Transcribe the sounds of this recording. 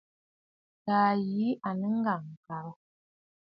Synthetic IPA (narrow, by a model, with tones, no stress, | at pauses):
taː˨ji˨˦a˨nə˦ŋ̩˦ɡa˨ŋ̩˨ka˨˦